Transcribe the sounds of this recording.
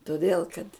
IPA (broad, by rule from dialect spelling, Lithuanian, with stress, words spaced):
toːˈdʲeːlˠ kɐt